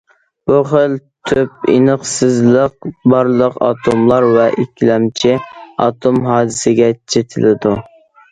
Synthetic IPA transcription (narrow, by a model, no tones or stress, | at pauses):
b̥uχəlt̪ʰøp̚ḭnəχsɨzlˠəq̚bɑɾlˠəqɑ̰ːt̪ʰomlˠɑɾvɛʔikʲʰlɛmt͡ʃʰiɑ̰t̪ʰomɦɑːd̪ɨsɪɡʲɛt͡ʃʰet̪ʰɪlɪd̪u